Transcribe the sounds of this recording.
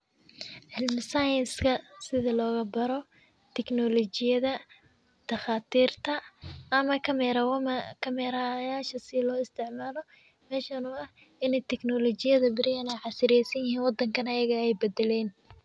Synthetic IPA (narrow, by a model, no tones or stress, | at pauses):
ħɪlmɪsajɪnskʰɐsɪðɐlɔːɣɐbɐɾɔ | t̪ʰɛknɔlɔt͡ʃɪjɐðɐ | d̪̥ɐxaːt̪ʰiːrt̪ʰɐːmɐkʰɐm | kʰɐmɛɾajaːʃɐsɪlɔːɪst̪ʰɪʕmaːlɔ | mɛːʃɐnʊɐh | ɪnɛjt̪ʰɛknɔlɔt͡ʃɪjɐðɐbɪɾɪjɐnɛjʕɑsɪɾɛjsɐnjɪɦiːnwɑd̪ɐŋkʰɐnɐjɐɣɐɛjbɛd̪ɛlɛːn